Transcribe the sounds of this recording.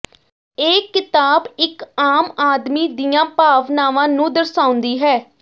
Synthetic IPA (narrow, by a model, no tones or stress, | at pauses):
eːkːɪt̪aːbɪkaːmaːd̪miːd̪ijãːpaːʋnaːʋãːnũːd̪əɾsãːʊnd̪iːɦɛː